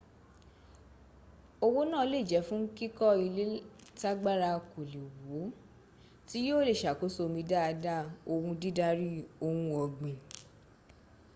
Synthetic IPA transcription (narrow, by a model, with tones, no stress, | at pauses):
o˧wo˦nã˦˨˧le˦˨d͡ʒɛ˨˦fũ˦ki˦kɔ˦i˧le˦ta˦ɡ͡ba˦ɾa˧ko˨li˨wo˨˦ | ti˨˦jo˦˨le˦˨ʃa˨ko˨˦so˧mĩ˧da˦a˧da˦o˧wũ˧di˦da˧ɾi˦o˧wũ˧ɔ˧ɡ͡bĩ˨